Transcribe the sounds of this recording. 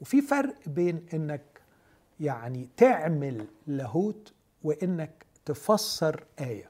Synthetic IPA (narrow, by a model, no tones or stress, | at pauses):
wefifɑɾˤʔbeːnʔɪnːæk̚ | jaʕnit̪eʕmɪlːæɦuːt̪ | wɪʔɪnːæk̚t̪ɪfɑsˤːɑɾˤʔæːjæ